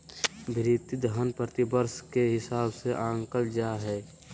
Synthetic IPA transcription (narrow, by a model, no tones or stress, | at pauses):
bʱɪɾit̪id̪əɦənpɾət̪ibəɾskeɦɪsaːbseʔãːŋkəld͡ʒaːɦɛː